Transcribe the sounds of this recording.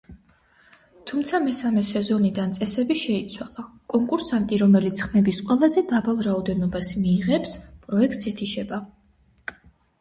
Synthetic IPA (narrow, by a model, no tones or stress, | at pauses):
t̪ʰumt̪sʰamɛsamɛsɛzɔnid̪ant̪sʼɛsɛbiʃɛit̪sʰwalˠa | kʼɔŋkʼuɾsant̪ʼiɾɔmɛlit̪sχmɛbisqʼwɛlˠazɛd̪abalˠɾaɔd̪ɛnɔbasmiːʁɛpspʼɾɔɛkʰt̪ʼsɛt̪ʰiʃɛba